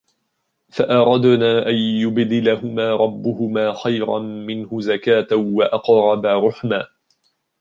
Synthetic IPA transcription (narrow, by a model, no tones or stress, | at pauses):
faʔɑɾˤɑd̪naːʔanjʊbd̪ɪlahʊmaːɾˤɑbːʊhʊmaːxajɾɑ̰nmɪnhʊzakaːt̪awaʔɑqɾˤɑbaɾˤʊħmaː